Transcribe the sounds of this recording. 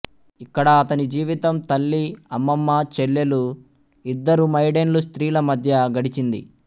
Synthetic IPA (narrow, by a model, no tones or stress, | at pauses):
ikːɐɽɐːt̪ɐnid͡ʒiːʋit̪ɐmt̪ɐlːiɐmːɐmːat͡ʃelːelu | id̪ːɐɾumɐjɖenlust̪ɾiːlɐmɐd̪ʱjɐɡɐɽit͡ʃind̪ḭ